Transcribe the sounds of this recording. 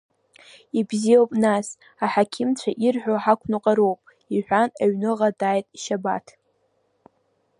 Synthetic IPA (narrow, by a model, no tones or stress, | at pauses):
ibziowpʼnas | aħakʲʰɪmt͡ɕʷʰaʔirħʷᶣoħakʷʰnɨqʼaɾowpʼ | iħᶣʷanaɥnɨʁadaːjtʼiʃaba̰tʰ